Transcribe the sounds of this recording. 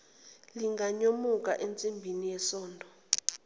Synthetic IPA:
liŋɡʱaɲomuk̬ʼaʔent͡sʼimbʱinijɛsɔːndʱɔ

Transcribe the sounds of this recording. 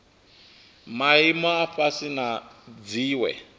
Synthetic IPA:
maimɔaɸasinad͡ziːwɛ̰

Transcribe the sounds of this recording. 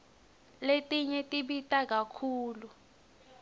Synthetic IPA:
letʼiɲɛtʼiɓitʼak̬akʰuːlu

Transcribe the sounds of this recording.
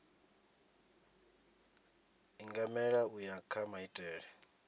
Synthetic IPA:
iŋɡamɛɺaujakʰamaitʼɛːɺɛ

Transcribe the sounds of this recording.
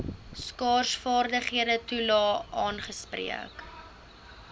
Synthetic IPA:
skɑːrsfɑːrdəχiədətulɑːʔɑːnχəsprḭə̰k

